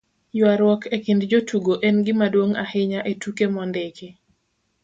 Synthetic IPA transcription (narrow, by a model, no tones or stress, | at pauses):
jwaɾwɔkʰekindd͡ʒotuɡoʔɛnɡɪmadwoŋa̰hɪɲaʔetukemɔndeki